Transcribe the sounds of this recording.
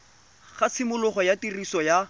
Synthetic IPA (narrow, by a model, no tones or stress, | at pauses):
χat͡sʰɪmʊlʊχɔjatirisɔja